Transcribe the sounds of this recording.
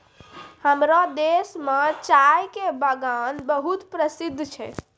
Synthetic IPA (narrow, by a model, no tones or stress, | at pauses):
həmɾad̪esmet͡ʃajkebəɡanbəɦut̪pɾəsid̪ʱːt͡ʃʰɛ̰